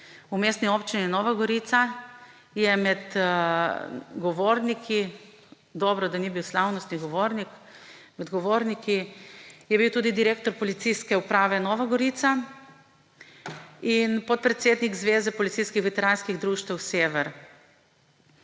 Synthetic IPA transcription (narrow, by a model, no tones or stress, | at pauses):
umeːst̪niɔːpt͡ʃininɔːʋaɡɔɾit̪sa | jɛmɛd̪ | ɡɔʋoɾnikʰi | d̪ɔːbɾɔd̪anibiwslawnɔst̪niɡɔʋoːɾnik | mɛd̪ɡɔʋoːɾnikijɛbiwt̪uːd̪id̪iɾeːkt̪ɔɾpɔlit̪siskɛupɾaːʋɛnɔːʋaɡɔɾiːt̪sa | inpɔt̪̚pɾɛt̪seːd̪nikzʋeːzɛpɔlit̪sijskixʋɛt̪ɛɾaːnskiɣd̪ɾuːʃt̪wseːʋɛɾ